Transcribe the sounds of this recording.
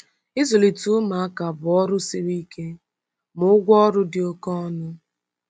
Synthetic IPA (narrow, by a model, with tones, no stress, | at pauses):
ɪ˦zo˨li˨tu˦ʊ˦ma˨a˦ka˨bʊ˨ɔ˦ɾʊ˦se˦ɾi˦ke˦ | mʊ˨˦ʊ˦ɡʷɔ˦ɾʊ˦dɪ˨o˦kɔ˦nʊ˦